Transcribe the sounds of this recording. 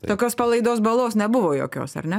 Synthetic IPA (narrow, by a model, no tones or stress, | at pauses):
t̪oːkʲoːspalˠʲɛjd̪oːsbalˠoːsnʲɛbuʋoːjo̰ːkʲo̰ːsɐ̰ɾnʲɛ